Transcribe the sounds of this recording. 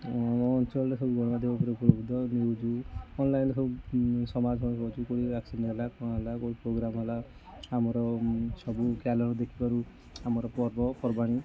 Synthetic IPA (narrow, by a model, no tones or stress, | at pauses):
mɔːnt͡ʃɔlɾekʰɔbuɡɔɽ̃ɔbad̪ʱjɔɔpʰɔɾeupɔloɡd̪ɔniɦud͡ʒuɔnlajnekʰubsɔmad͡ʒɦɔkɔt͡ʃʰukoɽibaksinlakɔ̃ɦalakoɽipɾoɡɾamɦalaamɔɾɔsɔbukalɔɾɔd̪ekʰipaɾu | amɔɾɔpɔɾbɔpɔɾbaɽ̃i